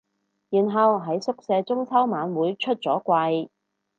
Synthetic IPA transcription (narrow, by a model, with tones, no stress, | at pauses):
jiː˨˩nɦɐ˨wɦɐ˨˥jsʊ˥k̚sɛː˧t͡sʊ˥ŋt͡sʰɐ˥wmaː˨˧nwuː˨˥jt͡ʃʰɵ˥t̚t͡sɔː˨˥kʷɐ˧j